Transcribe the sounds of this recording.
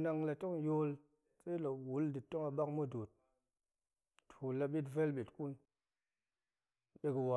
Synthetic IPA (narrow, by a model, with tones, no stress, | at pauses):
na˧ŋla˧to˦ŋjo˦l | t͡se˦lo˨kwu˨˦ldi˨tːo˦ŋa˧ɓa˦kmo˦do˨t̚ | tʰu˨la˧ɓi˦tve˦lɓi˨tku˦n | ɓe˧ki˨wa˨